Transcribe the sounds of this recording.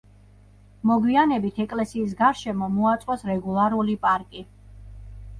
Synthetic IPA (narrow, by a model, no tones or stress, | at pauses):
mɔɡwianɛbit̪ʰɛkʼlɛsiːs̬ɡaɾʃɛmɔmɔat̪sʼɔsɾɛɡulˠaɾulipʼaɾkʼi